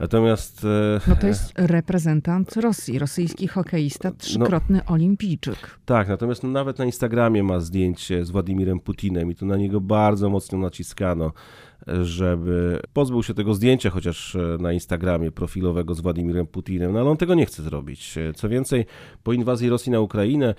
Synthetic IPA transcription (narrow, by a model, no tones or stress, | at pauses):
na̰t̪ɔmʲjast̪nɔt̪ɔjɛst̪ɾɛpɾɛzɛnt̪ant̪ɾɔsʲjiɾɔsɘjskʲixɔkɛjist̪atʂɘkɾɔt̪nɘʔɔlʲimʲpʲijt͡ʂɘ̰kt̪aknat̪ɔmʲjast̪nɔnavɛt̪nainst̪aɡɾamʲjɛmazd̪ʲjeɲt͡ɕɛzvwad̪ʲimʲiɾɛmput̪ʲinɛmit̪ɔnaɲɛɡɔbaɾd̪zɔmɔt̪snɔnat͡ɕiskanɔ | ʐɛbɘpɔzbɘwɕɛt̪ɛɡɔzd̪ʲjeɲt͡ɕaxɔt͡ɕaʂnainst̪aɡɾamʲjɛpɾɔfʲilɔvɛɡɔzvwad̪ʲimʲiɾɛmput̪ʲinɛmnɔalɛɔnt̪ɛɡɔɲɛxt̪sɛzɾɔ̰bʲḭt͡ɕt̪sɔvʲjɛnt̪sɛj | pɔinvazʲjiɾɔsʲjinaukɾajinɛ